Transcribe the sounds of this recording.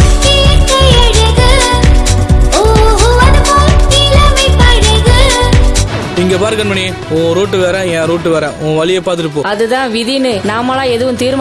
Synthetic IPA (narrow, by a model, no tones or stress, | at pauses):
kijɐkːɐɛɽɯðɯ | ooʋɐɾɯmoːkilɐmɐpɐːɽɯɣɯ | ɪŋɡeːpaːɾɯkːɐnmɐɳi | õːɾuːʈːɯʋeːɾãːjɛ̃ːɾuːʈːɯʋeːɾã̰ːʔõːʋɐlɪjɐpaːɾt̪ɪɾɯpːoːɐðɯðãːʋɪðinɯnaːmaːlãːɛðɯʋɯ̃mt̪iːɾma